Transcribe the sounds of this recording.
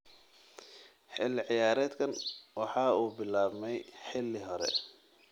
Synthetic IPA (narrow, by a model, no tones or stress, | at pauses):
ħɪlːɪʕɪjaːɾɛːd̪kʰɐnwɑħɑːuːbɪlaːβmɛjħɪlːɪɦɔɾɛ̰